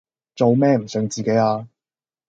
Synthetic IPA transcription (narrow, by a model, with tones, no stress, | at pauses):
t͡so˨wmɛː˥m̩˨˩sœː˧ŋt͡siː˨ke˨˥jaː˧